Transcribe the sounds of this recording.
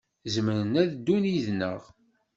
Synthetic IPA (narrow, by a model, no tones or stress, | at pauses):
zmənənæðd̪ːuniðnə̰ʁ